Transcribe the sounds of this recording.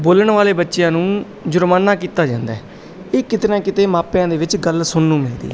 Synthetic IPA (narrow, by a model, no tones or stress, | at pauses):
boːləɳʋaːleːbətːʃjãːnũː | d͡ʒʊɾmaːnaːkiːt̪aːd͡ʒãːnd̪aɛː | eːkɪt̪nãːkɪt̪eːmãːpjãːd̪eːʋɪt͡ʃɡəlsʊnːũːmɛ̃ːd̪ḭː